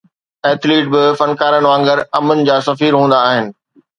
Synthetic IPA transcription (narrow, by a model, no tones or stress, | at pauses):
ɛeːt̪ʰleːʈ̚bɪfɐnkaːɾənɪʋãːŋɡəɾɐmʊnɪ̆d͡ʑaːsɐfiːɾɦũːnd̪aːɦɪnɪ̆